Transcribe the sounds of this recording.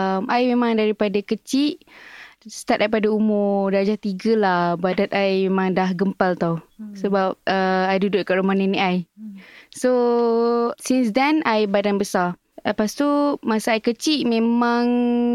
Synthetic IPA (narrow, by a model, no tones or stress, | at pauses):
mʔajmemãŋdaɾipadakət͡ʃiʔ | st̪at̪̚daipadaumʊdad͡ʒat̪iɡəlahbadat̪̚ajmemãŋdahɡəmpalt̪awsəbap̚əajdudʊʔ̚kaʔɾumahnəniʔaj | so | sinsdɛnajbadanbəsa | apast̪umasaajkət͡ʃiʔmẽmãŋ